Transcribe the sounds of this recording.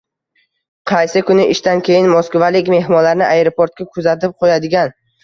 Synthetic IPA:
qʰɑjsɪkʰʊnɪɪʃt̪ankʲʰe̞jɪnmoskvalɪkʲme̞ɦmɒlaɾnɪʔajɾopoɾt̪̚kʲakʰʊzat̪ɪp̚qʰojad̪ɪɡʲan

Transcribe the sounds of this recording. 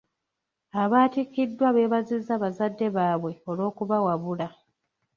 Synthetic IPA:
aβaːtikːidːwaβe̞ːβazizːaːβazadːe̞βaːβwe̞o̞lo̞ːkuβawaβula

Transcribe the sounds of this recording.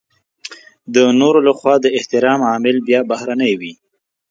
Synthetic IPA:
d̪ənoɾolaxwɑd̪əɪht̪ɪɾɑmɑmɪlbjɑbahɾanəjwi

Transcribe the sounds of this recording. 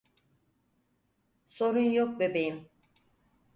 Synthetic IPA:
so̞ɾunjok̚bebejim

